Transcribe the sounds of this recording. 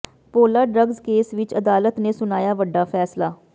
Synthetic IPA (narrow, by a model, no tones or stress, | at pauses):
poːlaːɖɾəɡzkeːsʋɪt͡ʃəd̪aːlət̪neːsʊnaːjaːʋəɖːaːpʰɛːslaː